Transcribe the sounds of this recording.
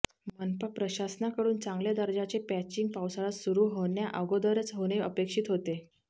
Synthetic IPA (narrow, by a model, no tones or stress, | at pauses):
mənpəpɾəɕasnakəɽuːnt͡sãŋɡljed̪əɾd͡ʑat͡sepæt͡ɕiŋɡ̚pawsaɭasuɾuːɦoɳjaʔəɡod̪əɾet͡sɦoɽ̃eəpekʂiːt̪ɦot̪e